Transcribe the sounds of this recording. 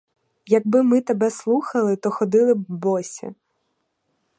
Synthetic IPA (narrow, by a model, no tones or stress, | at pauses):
jɐɡ̚bɪmɪt̪ebɛslˠuxɐlˠɪt̪ɔxɔd̪ɪlˠɪbɔsʲɐ̰